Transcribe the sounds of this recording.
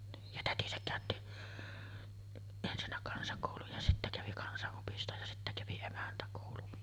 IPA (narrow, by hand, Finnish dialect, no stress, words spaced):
niːj jɑ tætisæk kæˑøtːi ensinːæ kɑnsɑkoˑuluj jɑ sitːæ kæʋi kɑnsɑʔːopistoj jɑ sitːæ kæʋi emæntækoˑulun